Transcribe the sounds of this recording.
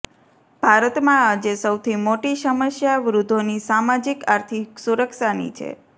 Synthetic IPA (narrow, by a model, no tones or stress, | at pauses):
b̥ʱaɾət̪mãad͡ʒesəwt̪ʰimoʈiʃəməʃjaʋɾud̪ʱːonisamad͡ʒikaɾt̪ʰiksuɾəkʃanḭt͡ʃʰḛ